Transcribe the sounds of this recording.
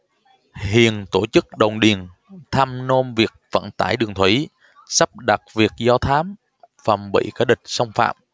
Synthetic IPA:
hḭ˧˨ənt̪o˧˩t͡ɕɨ˦˥k̚ɗə˨˩wŋ͡mɗi˨˩ən | t̪ʰa˧mno˧mvi˨˩ək̚fə̰˧˨nt̪aː˧˩jɗɨ˨˩əŋt̪ʰwi˧˩˦ | sa˦˥p̚ɗa˨˩t̚vi˨˩ək̚zɔ˧t̪ʰaː˨˦m | fə˨˩mɓḭ˧˨ka˨˧˦ɗï˨˩k̟̚sə˧wŋ͡mfa̰ː˧˨m

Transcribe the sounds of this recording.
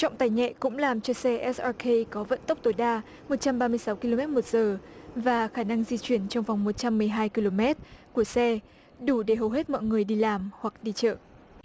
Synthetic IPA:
t͡ɕɔ̰˧˨ŋ͡mt̪aː˨˩jŋɛ̰˧˨kʊ̰˧˥ŋ͡mlaː˨˩mt͡ɕɔ˧sɛ˧ʔɛ˦˥sʔa˧kʰe˧kɔ˨˦və̰˧˨nt̪ə˦˥wk͡p̚t̪o˨˦jɗaː˧ | mo˨˩t̚t͡ɕa˧mɓaː˧mɨ˧əjsa˨˦wki˧lo˧mɛ˦˥t̚mo˨˩t̚z̥əː˨˩vaː˨˩xaː˧˩na˧ŋzi˧t͡ɕwi˧˩ənt͡ɕɔ˧wŋ͡mvwŋ͡mmo˨˩t̚t͡ɕa˧mːɨ˨˩əjɦaː˧jki˧lo˧mɛ˦˥t̚ku˧˩əsɛ˧ | ɗu˧˩ɗe˧˩ɦə˨˩wɦe˦˥t̚mɔ̰˧˨jŋɨ˨˩əjɗi˧laː˨˩mhwa˨˩k̚ɗi˧t͡ɕə̰ː˧˨ʔ

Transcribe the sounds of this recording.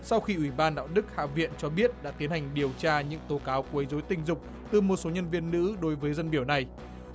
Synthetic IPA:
sa˧wxi˧ʔwi˧˩ɓaː˧nɗa̰ː˧˨wɗɨ˦˥k̚ha̰ː˧˨vḭ˧˨ənt͡ɕɔ˧ɓi˦˥ət̚ɗa̰ː˧˥t̪i˨˦ənha˨˩ŋ̟ɗi˨˩əwt͡ɕaː˧ɲɨ̰˧˥ŋt̪o˨˦kaː˨˦wku˧˩˨i˨˦jzo˨˦jt̪ï˧˩ŋ̟zʊ˨˩k͡p̚ | t̪ɨ˨˩mo˨˩t̚so˨˦ɲə˧nvi˧ənːɨ̰˧˥ɗo˨˦jvəː˨˦jzə˧nɓi˧˩əwna˨˩j

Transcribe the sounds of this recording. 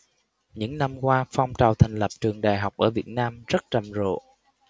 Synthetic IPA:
ɲɨ̰˧˥ŋna˧mkwaː˧fa˧wŋ͡mt͡ɕaː˨˩wt̪ʰaɛ˨˩jŋ̟lə˨˩p̚t͡ɕɨ˨˩əŋɗaː˨˩jɦa˨˩wk͡p̚ʔəː˧˩vi˨˩ət̚naː˧mzə˦˥t̚t͡ɕə˨˩mzo̰˧˨

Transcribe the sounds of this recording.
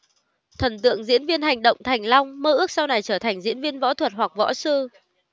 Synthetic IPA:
t̪ʰə˨˩nt̪ɨ̰˧˨əŋzḭ˧˥ənvi˧ənɦa˨˩jŋ̟ɗə̰˧˨wŋ͡mt̪ʰa˨˩jŋ̟la˧wŋ͡mməː˧ʔɨ˦˥k̚sa˧wna˨˩jt͡ɕəː˧˩t̪ʰa˨˩jŋ̟zḭ˧˥ənvi˧ənvɔ̰˧˥t̪ʰwə˨˩t̚wa˨˩k̚vɔ̰˧˥sɨ˧

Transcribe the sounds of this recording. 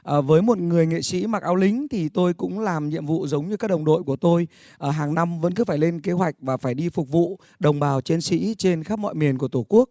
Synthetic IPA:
ʔəː˨˩vəː˨˦jmo˨˩t̚ŋɨ˨˩əjŋḛ˧˨sḭ˧˥ma˨˩k̚ʔaː˧wlï˨˦ŋ̟t̪ʰi˨˩t̪o˧jkʊ̰˧˥ŋ͡mlaː˨˩mɲḭ˧˨əmvṵ˧˨zə˨˦wŋ͡mɲɨ˧kaː˦˥ɗə˨˩wŋ͡mɗo̰˧˨jku˧˩ət̪o˧j | ʔəː˧˩ɦaː˨˩ŋna˧mvə̰˧˥nk̬ɨ˨˦faː˧˩jle˧nke˨˦ɦwa˨˩jk̟̚vaː˨˩faː˧˩jɗi˧fʊ˨˩k͡p̚vṵ˧˨ | ɗə˨˩wŋ͡mɓaː˨˩wt͡ɕe˧nsḭ˧˥t͡ɕe˧nxaː˦˥p̚mɔ̰˧˨jmi˨˩ənku˧˩ə˩t̪o˧˩ku˦˥ək̚

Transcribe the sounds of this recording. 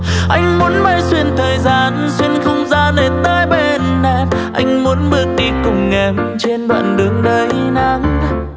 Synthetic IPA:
ʔa˧jŋ̟mu˨˦ənma˧jswi˧ənt̪ʰəː˨˩jzaː˧˩nswi˧ənxə˧wŋ͡mzaː˧nə˨˩t̪aː˧jɓe˧˩nɗa˧˦ʔa˧jŋ̟mu˨˦ənɓɨ˦˥ək̚ɗi˧kʊ˨˩ŋ͡mŋɛ˨˩m | t͡ɕe˧nɗwa̰ː˧˨nɗɨ˨˦əŋɗəː˨˧˦jna˨˦ŋ

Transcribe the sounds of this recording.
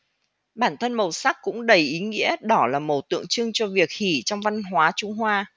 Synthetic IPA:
ɓaː˧˩nt̪ʰə˧nmə˨˩wsa˦˥k̚kʊ̰˧˥ŋ͡mɗə˨˩jʔi˨˦ŋḭ˧˥əɗɔ˨˩laː˨˩mə˨˩t̪ɨ̰˧˨əŋt͡ɕɨ˧əŋt͡ɕɔ˧vi˨˩ək̚hi˧˩t͡ɕɔ˧wŋ͡mva˧nɦwaː˨˦t͡ɕʊ˧ŋ͡mɦwaː˧

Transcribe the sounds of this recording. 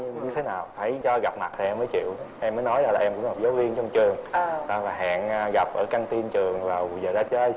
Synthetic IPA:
ɲɨ˧ɲɨ˧t̪ʰe˨˦naː˨˩wfaː˧˩jt͡ɕɔ˧ɣa˨˩p̚ma˨˩t̚t̪ʰa˨˩ʔɛ˧mːəː˨˦jt͡ɕḭ˧˨əwʔɛ˧mːə˨˦jnɔ˨˦jzaː˧˩laː˨˩ʔɛ˧mkʊ̰˧˥ŋ͡mha˨˩p̚zəː˨˦wvi˧ənt͡ɕɔ˧ŋ͡mt͡ɕɨ˨˩əŋɗɔ˨˧˦vaː˨˩ɦa̰ː˧˨nː˧ɣa˨˩p̚ʔəː˧˩ka˧ŋt̪i˧nt͡ɕɨ˨˩əŋvaː˨˩wzəː˨˩zaː˧t͡ɕə˧ə˧j

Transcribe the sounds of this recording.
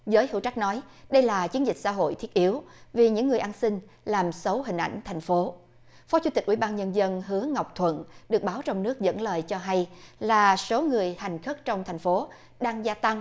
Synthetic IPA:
zəː˨˦jhɨ̰˧˥wt͡ɕa˦˥k̟̚nɔ˨˦jɗə˧jlaː˨˩t͡ɕi˨˦ənzï˨˩k̟̚sa̰˧ɦo̰˧˨jt̪ʰi˦˥ət̚ʔi˨˦əwvi˨˩ɲɨ̰˧˥ŋːɨ˨˩əjʔaː˧nsï˧ŋ̟laː˨˩msə˨˦wɦï˨˩ŋ̟ʔa̰˧˩jŋ̟t̪ʰɛ˨˩ŋ̟fo˨˦ | fɔ˨˦t͡ɕu˧˦t̪i˨˩k̟̚ʔi˧˩ɓaː˧nɲə˧nzə˧nɦɨ˨˦əŋa˨˩wk͡p̚t̪ʰwə̰˧˨nɗɨ˨˩ək̚ɓaː˨˦wt͡ɕɔ˧wŋ͡mnɨ˦˥ək̚zə̰˧˥nləː˨˩jt͡ɕɔ˧ɦa˧jlaː˨˩so˨˦ŋɨ˨˩əjha˨˩jŋ̟xə˦˥k̚t͡ɕɔ˧wŋ͡mt̪ʰa˨˩jŋ̟fo˨˦ | ɗaː˧ŋzaː˧t̪a˧ŋ

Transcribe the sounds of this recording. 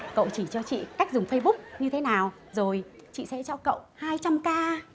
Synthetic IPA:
kə̰˧˨wt͡ɕi˧˩t͡ɕɔ˧t͡ɕḭ˧˨kaː˦˥jk̚zʊ˨˩ŋ͡mfə˧jɓʊ˦˥k͡p̚ɲɨ˧t̪ʰe˨˦naː˨˩w | zo˨˩jt͡ɕḭ˧˨sɛ̰˧˥t͡ɕɔ˧kə̰˧˨whaː˧jt͡ɕa˧mkaː˧

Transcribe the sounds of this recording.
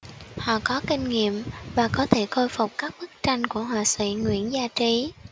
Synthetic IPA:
hɔ̰˧˨kɔ˨˦kï˧ŋ̟ŋḭ˧˨əmvaː˨˩kɔ˨˦t̪ʰe˧˩xo˧jfʊ˨˩k͡p̚kaː˦˥k̚ɓɨ˦˥k̚t͡ɕa˧jŋ̟ku˧˩əɦwaː˨˩sḭ˧˩˨ŋwḭ˧˨ənzaː˧t͡ɕi˨˦

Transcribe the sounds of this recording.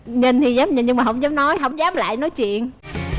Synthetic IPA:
ɲə˧˩nt̪ʰi˨˩zaː˨˦p̚ɲə˧˩nɲɨ˧ŋmaː˨˩ɦə̰˧˥wŋ͡mzaː˨˦mnɔ˨˦jɦə˧˥wŋ͡mzaː˨˦˥mla̰ː˧˨jnɔ˨˦jt͡ɕwḭ˧˨ən

